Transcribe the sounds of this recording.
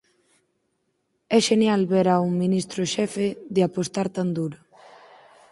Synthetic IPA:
ɛʃenjalβeɾauŋminist̪ɾʊʃɛfeðeapost̪aɾt̪and̪uɾo

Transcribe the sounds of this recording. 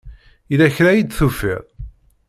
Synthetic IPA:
ilæçɾæjid̪θufḭɾ

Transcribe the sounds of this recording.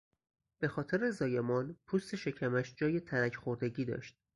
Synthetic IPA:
b̥e̞xɒːt̪ʰeɾe̞zɒːjemɒːnpʰuːst̪e̞ʃe̞cʰæmæʃd͡ʒɒːje̞t̪ʰæɾæcʰxoɾd̪eɟiːd̪ɒ̰ːʃt̪̚

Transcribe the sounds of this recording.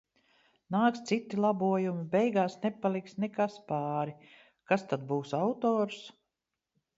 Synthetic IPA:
naːkst̪sit̪ːilˠabuɔjumibɛjɡaːsnɛpalˠiksnɛkaspaːɾi | kast̪ad̪̚buːsawt̪ɔːɾs

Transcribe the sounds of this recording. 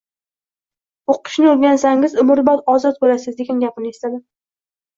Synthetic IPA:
oqʰɨ̥ʃnɪoɾɡʲansaŋɪzʊmʊɾbɒt̪ɒzɒt̪̚bolasɪzd̪e̞ɡʲanɡʲapɪnɪest̪ad̪ɪ

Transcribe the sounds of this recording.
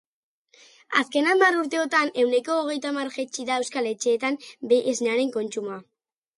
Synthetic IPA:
a̰ske̞nambaɾuɾt̪e̞ot̪ane̞wne̞ko̞ːɣ̞e̞jt̪amarʝet͡ʃiðae̞wskale̞t͡ʃe̞ːt̪ambeʔːzneaɾe̞ŋko̞nt͡ʃuma

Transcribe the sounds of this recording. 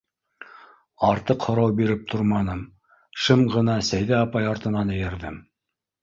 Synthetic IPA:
ɑɾt̪ɤqhŏɾɑwbiɾɘp̚t̪ʰoɾmɑnɤm | ʃɤmʁɤ̆nɑsæjðæɑpɑjɑɾt̪ɤ̆nɑnɘ̆jɘ̆ɾðɘm

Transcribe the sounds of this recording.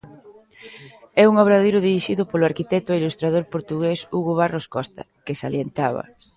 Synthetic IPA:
ɛuŋoβɾaðiɾʊðiɾiʃiðʊpolʊaɾkit̪ɛt̪ʊailust̪ɾað̞oɾpoɾt̪uɣesuɣʊβ̞aroskɔst̪ɐ̰kesaljent̪aβɐ̰

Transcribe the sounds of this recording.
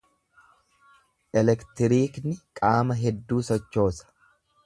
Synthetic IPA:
ʔɛlɛkt̪ɪɾiːknɪkʼaːmɐɦɛd̪ːuːsɔt͡ʃːo̞ːsɐ̥

